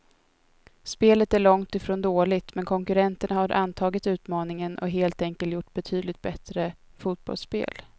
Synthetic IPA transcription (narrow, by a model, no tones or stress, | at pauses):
speːlət̪æɭɔŋt̪ɪfɾoːnd̪oːlɪt̪mɛnkʰɔŋkɵɾɛnt̪əɳahaɾʔa̰nt̪ʰɑːɡɪt̪ʉ̟ːt̪mɑːnɪŋənʔɔ̰ɦeːlt̪ɛŋkəlt̪jʊʈːbɛt̪ʰyːd̪lɪt̪̚bɛt̪ɾəfuːt̪̚b̥ɔ̰lspḛːl